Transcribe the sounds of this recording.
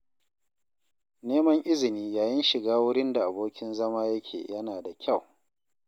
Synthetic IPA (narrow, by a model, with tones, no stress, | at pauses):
neː˦mɐ˦ŋʔɪ˦zɪ˨niː˦jaː˨jɪ˦nʃɪ˨ɡaː˦wʊ˦ɽɪ˦nda˨ʔa˨boː˦kʲɪ˦nzɐ˦maː˦jɐ˦kʲʰḛː˨jɐ˦naː˨da˨kʲʰa˦˨w